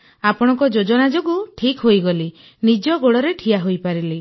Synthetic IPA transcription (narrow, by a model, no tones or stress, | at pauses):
apɔɽ̃ɔŋkɔd͡ʒod͡ʒɔnad͡ʒoɡuʈʰikɦojɡɔli | nid͡ʒɔɡoɽɔɾeʈʰijaɦojpaɾili